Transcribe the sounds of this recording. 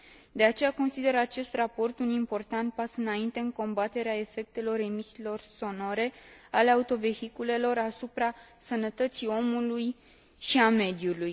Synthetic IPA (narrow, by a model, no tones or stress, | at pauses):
d̪e̞at͡ʃe̞jako̞nsid̪e̞ɾat͡ʃe̞st̪rapo̞rt̪unimpo̞rt̪ant̪̚pasɨnaint̪e̞ɨŋko̞mbat̪e̞ɾeae̞fe̞k̚t̪e̞lo̞re̞misilo̞rso̞no̞ɾe̞ale̞aut̪o̞ve̞hikule̞lo̞rasupɾasənət̪ət̪sio̞muluj | ʃiame̞d̪juluj